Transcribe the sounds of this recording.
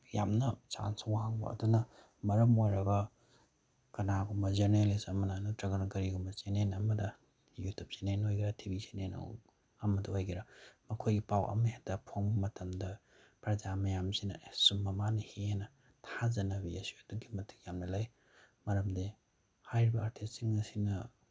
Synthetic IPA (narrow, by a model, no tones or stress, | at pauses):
jamnɐt͡ʃa̰nsɐwaɦaŋbɐ̰ɐ̰dunɐ | mɐɾɐmojɾɐbɐ | kɐnaɡumɐzenelisɐmɐnanutɾɐɡɐnkɐɾiɡumɐzenenɐmɐdɐ | jutʰup̚senenojɡiɾatʰibisenen̰ | ɐmɐdɐojɡiɾamɐkʰojɡipawʔɐ̰mɐhetɐpʰoŋbɐmɐtʰɐmdɐ | pɾɐzamɐjamsinɐ̰sumːɐmanihienɐ | tʰazɐnɐbiesjutuɡimɐtʰu̥k̚jamnɐlɐj | mɐɾɐmde | hajɾibɐaɾtʰissiŋɐsinɐ